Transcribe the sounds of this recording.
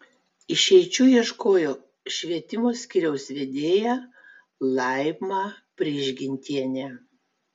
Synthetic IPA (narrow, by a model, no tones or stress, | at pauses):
ɪʃʲɛɪt͡ʃʲuːjiɛʃkoːjoː | ʃʲʋʲiɛt̪ʲɪmoːsʲkʲɪɾʲɛʊsʋʲed̪ʲeːjæː | lˠɐɪmɑː | pʲɾʲiʒʲɡʲɪnʲt̪ʲiɛnʲæː